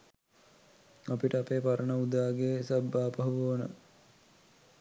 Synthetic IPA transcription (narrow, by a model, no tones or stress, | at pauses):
apiʈəapeːpaɾənəud̪aːɡeːsɐbːaːpɐɦʋuonə̰